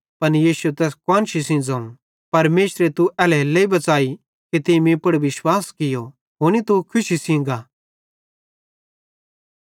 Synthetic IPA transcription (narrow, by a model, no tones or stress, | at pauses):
pɐnjiːsuet̪ɛːskɔːnʃisĩːnd͡zɐ̃ːũ | pɐɾmeːʃɾet̪uɛːlɛleibɐt͡saːi | kit̪ɪmĩpɐɽʋɪʃwaːskɪjo | ɦoːnit̪ukʰʊʃisĩːŋɡaː